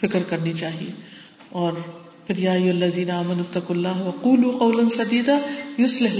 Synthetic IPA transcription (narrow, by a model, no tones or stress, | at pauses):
fɪkɾkɐɾnit͡ʃaːɦie | ɔːɾ | fɪɾjaːjʊɦɐlːɐðiːnaaːmɐnut̪ːɐquːlːaːɦwɐquːluːqɐwlɐnsɐd̪iːd̪aːjʊslɪɦl